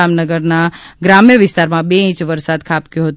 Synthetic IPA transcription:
amnəɡəɾnaɡɾamijəʋɪst̪aɾmãbeĩt͡ʃʋəɾsad̪kʰapkjoɦət̪

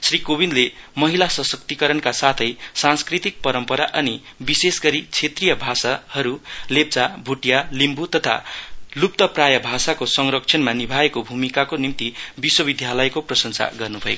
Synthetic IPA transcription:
srikobind̪lemʌɦilasʌsʌkt̪ikʌɾʌnkasat̪ʰʌjsãnskrit̪ik̚pʌɾʌmpʌɾaʔʌnibisesɡʌɾit͡sʰet̪rijʌbʱasahʌɾuleb̚d͡zabʱuʈjalimbut̪ʌt̪ʰa̰lup̚t̪ʌprajʌbʱasakosʌŋrʌk̚t͡ʃʰʌnmanibʱaekobʱumikakonimt̪ibiswʌbid̪ʱjalʌjkoprʌsʌnsa̰ɡʌrnubʱʌek

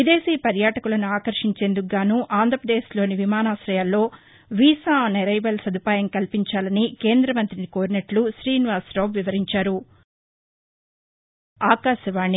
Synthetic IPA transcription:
ʋid̪e̞ːsiːpɐɾjaːʈɐkulɐnuaːkɐɾʂiɲt͡ʃe̞ːnd̪ukɡaːnuʔaːnd̪ʱɾɐpɾɐd̪eːslo̞ːniʋimaːnaːsɾɐjaːlːo̞ː | ʋiːsaːnɐɾɐjbɐlsɐd̪upaːjɐŋkɐlpiɲt͡ʃaːlɐnike̞ːnd̪ɾɐmɐnt̪ɾiniko̞ːɾinɐʈluʃɾiːniʋaːsɾoːbʋiʋɐɾiɲt͡ʃaːɾu | aːkaːʃɐʋaːɳːi

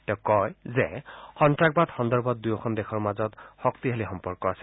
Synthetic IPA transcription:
tɛʊkɔjzɛxɔntɹak̚badxɔndɔɹbɔt̚dujɔxʰɔndɛkʰɔɹmazɔtxɔktiɦelixɔmpɔɹkɔasɛ̥

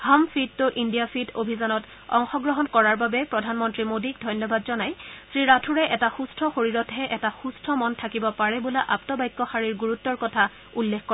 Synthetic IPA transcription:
ɦamfʰitːʊʔindijapʰitobʱizanɔt | ɔ̰ŋxɔɡɹɔɦɔnkɔɹaɹbabɛpɹɔdʱanmɔntɹimodik̚dʱɔjnjɔbadzɔnajsɹiɹatʰuɹɛʔɛtaxustʰɔxoɹiɹɔtɦɛʔɛtaxustʰɔmɔntʰakibɔpaɹɛbulaʔaptɔbajkːɔxaɹiɹɡuɹutːɔɹkɔtʰa | ulːekkːɔ

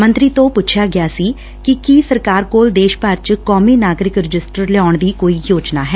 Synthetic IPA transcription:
mə̃nt̪ɾiːt̪õːpʊtːʃʰaːɡɪaːsiː | kɪkiːsəɾkaːɾkoːld̪eːʃpaɾt͡ʃkɔːmiːnaːɡɾɪkɾɪd͡ʒɪsʈəɾlɛaːɳd̪iːkoːiːjoːt͡ʃnaːɦɛː

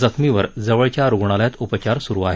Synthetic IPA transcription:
d͡zət̪ʰmiʋəɾd͡zəʋəɭt͡ɕjaɾuɡɳ̃aljat̪upət͡ɕaɾsuɾuaɦe

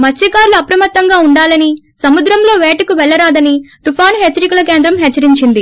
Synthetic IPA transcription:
mɐt͡ʃːikaːɾluɐpɾɐmɐt̪ːɐŋɡaːuɳɖaːlɐni | sɐmud̪ɾɐmlo̞ːʋeːʈɐkuʋɛɭːɐɾaːd̪ɐnit̪upʰaːnɦet͡ʃːɐɾikulɐke̞ːnd̪ɾɐmɦɛt͡ʃːɐɾiɲt͡ʃind̪i

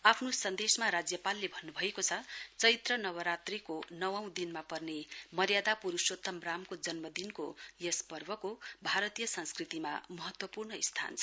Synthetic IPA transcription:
apʰnosʌnd̪esmaɾad͡zjʌpalːebʱʌnːubʱʌekot͡sʰʌt͡sʌit̪rʌnʌwʌɾat̪rikonʌwãw̃d̪inmapʌrnemʌrjad̪apuɾusot̪ʰːʌmramkod͡zʌnmʌd̪inkojʌspʌrbʌkobʱaɾʌt̪ijʌsʌnskrit̪ima̰mʌɦʌt̪wʌpurnʌist̪ʰa̰nt͡sʰʌ

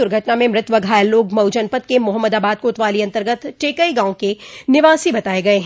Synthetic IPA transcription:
ʊɾɡʱəʈnamẽmɾɪt̪ʋəɡʱaːjəlːoːɡmɐʊd͡ʒənpət̪̚kemʊɦəmːəd̪aːbaːd̪̚koːt̪ʋaːliɐ̃nt̪əɾɡət̪ʈeːkəiɡãːõkenɪʋaːsibɐt̪aːeɡɐeɦ

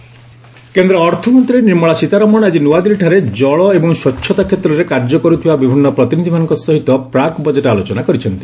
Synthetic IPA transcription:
kend̪ɾɔːɾt̪ʰɔmɔnt̪ɾiniɾmɔɭasit̪aɾɔmɔɽ̃ad͡ʒinuad̪iɾiʈʰaɾed͡ʒɔɭɔebɔŋswɔtːʃʰɔt̪akʰet̪ːɾɔɾekaɾd͡ʒɔkɔɾut̪ʰibabibʱinːɔpɾɔt̪inid̪ʱimanɔŋkɔsɔɦit̪ɔpɾakbɔd͡ʒeʈalot͡ʃɔnakɔɾit͡ʃʰɔnt̪i̥

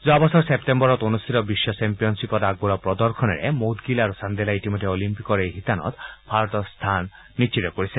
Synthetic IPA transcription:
zuabɔsɔɾsepʈembɔɾɔt̪onust̪ʰit̪ɔbisːɔt͡ʃempijɔnsipɔt̪aɡuɾɔpɾɔd̪ɔɾkʰɔnɛ̰ɾḛmowd̪ɡilaɾusand̪elaitimɔd̪ʰʱeolimpikɔɾejɦit̪anɔ̰t̪b̥ʱaɹɔt̪ɔst̪ʰanː | it͡ʃiɾɔkoɾise

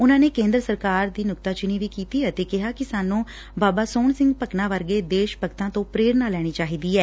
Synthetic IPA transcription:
ʊnãːneːkẽːnd̪ɾəsəɾkaːɾd̪iːnʊkt̪aːt͡ʃɪniːʋiːkiːt̪iːət̪eːkɪɦaːkɪsaːnũː | baːbaːsoːnsɪ̃ŋɡpəknaːʋəɾɡeːd̪eːʃpəkt̪ãːt̪õːpɾeːɾnaːlɛːɽ̃iːt͡ʃaːɦiːd̪iːɛː

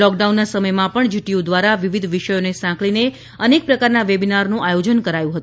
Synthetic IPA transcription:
ɔk̚ɖaunːasəməjmãpəɳd͡ʒiʈiud̪ʋaɾaʋiʋid̪ʱʋiʃəjonesãkɭine | ənek̚pɾəkaɾnaʋebinaɾnũʔajod͡ʒənkəɾajũɦət̪ũ

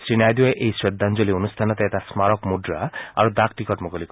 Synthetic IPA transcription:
sɾinajd̪iɔeʔejswed̪ːanzolionust̪ʰanɔt̪eet̪asmaɾɔkmudɾa̰a̰ɾud̪akʈikɔʈmuɡɔlik

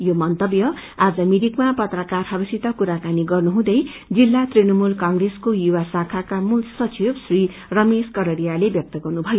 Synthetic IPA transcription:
jomʌnt̪ʌbjʌad͡zʌmid̪ikmapʌt̪rʌkarɦʌɾusit̪ʌkuɾakaniɡʌrnuɦũd̪ʌjd͡zilːat̪rinʌmulkaŋɡreskojuwasakʰakamulsʌt͡sibsri | rʌmeskʌɾʌɾijalebjʌk̚t̪ʌɡʌrnubʱʌjo

